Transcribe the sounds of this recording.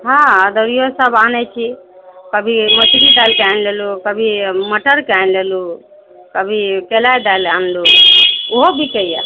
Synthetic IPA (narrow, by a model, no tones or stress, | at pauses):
ɦãəd̪əɾijosəbanɛt͡ʃʰikəbʱimət͡ʃɡid̪alkajnlelukəbʱiməʈəɾkanlelu | kəbʱikelajd̪alanluoɦobʱikəja̰